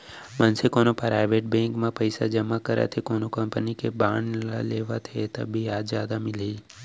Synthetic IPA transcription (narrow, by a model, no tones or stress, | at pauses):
mənsekoːnopɾaːɪʋeʈ̚bẽŋkmãpəɪsa̰d͡ʒəmakəɾa̰t̪ʰekoːnokəmpənikebaːɳɖlaleːʋat̪ʰet̪ə̰bʱiaːzjaːd̪amɪlei